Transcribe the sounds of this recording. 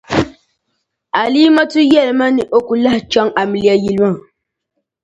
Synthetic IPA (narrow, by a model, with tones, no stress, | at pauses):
a˨li˦ma˦tu˦jɛ˦˨lma˦ni˨ʔo˦ku˨la˦ht͡ʃɔ˦ŋa˨mi˨li˦ja˦ji˦lma˦˨